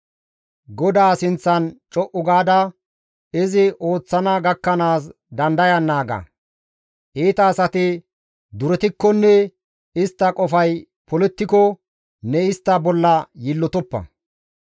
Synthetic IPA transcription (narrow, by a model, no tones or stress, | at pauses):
ɡɔd̪aːsɪnt͡sːɐnt͡ʃʼɔʔʊɡaːd̪ɐ | ɪzɪʔo̞ːt͡sːɐnɐɡɐkːɐnaːs | d̪ɐnd̪ɐjɐnːaːɡɐ̰ | ʔeːt̪ɐːsɐt̪ɪ | d̪ʊɾɛt̪ɪkːɔnːɛ | ɪst̪ːɐkʼɔfɐj | pɔlɛt̪ːɪkɔ | nɛɪst̪ːɐbɔlːɐjɪlːɔt̪ɔpːɐ̰